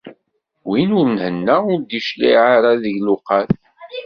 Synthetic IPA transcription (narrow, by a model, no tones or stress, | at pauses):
winʊɾnhənːæʊɾd̪iʃlḭʕaɾaðəʝluqɑθ